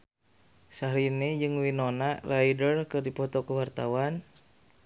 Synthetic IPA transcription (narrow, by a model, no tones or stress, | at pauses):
saɦɾinid͡ʒɨŋwinonarajdərkɨrdipɔt̪ɔkəwart̪awan